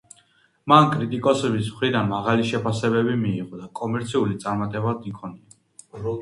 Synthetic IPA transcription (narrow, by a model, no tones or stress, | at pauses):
mankʼɾit̪ʼikʼɔsɛbismχɾid̪anmaʁaliʃɛpʰasɛbɛbimiːʁɔd̪akʼɔmɛɾt̪sʰiulit̪sʼaɾmat̪ʼɛbad̪nikʰɔnia